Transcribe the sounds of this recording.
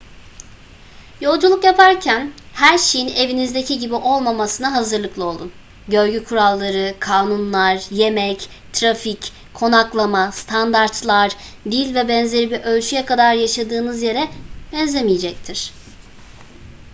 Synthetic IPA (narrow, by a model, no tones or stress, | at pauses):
jo̞lˠd͡ʒulˠukjapʰaɾcʰæn | hæɾʃejine̞vinizd̪e̞cʰiɟibiʔo̞lˠmamasɯnaɦazɯɾlˠɯklˠɯo̞lˠd̪un | ɟø̞ɾɟykʰuɾalˠːaɾɯkʰaːnunlˠaɾje̞mɛc | t̪ʰɾafic | kʰo̞naklˠamast̪ʰand̪aɾt̪lˠaɾd̪ilʲvɛbɛnzle̞ɾibiɾʔø̞lʲt͡ʃʰyjɛkad̪aɾjaʃad̪ɯːnɯzje̞ɾɛbɛnzʲemijed͡ʒɛc̚t̪ʰiɾ̥